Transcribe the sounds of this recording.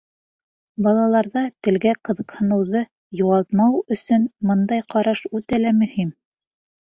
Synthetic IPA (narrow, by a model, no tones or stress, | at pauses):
bɑlˠɑlˠɑɾðɑt̪ɘ̆lɡæqɤ̆ðɤ̆qhɤ̆nɤ̆wðɤ | juʁɑlˠt̪̚mɑwɵ̆sɵnmɤnd̪ɑjqɑɾɑʃʉt̪ælæmɵ̆him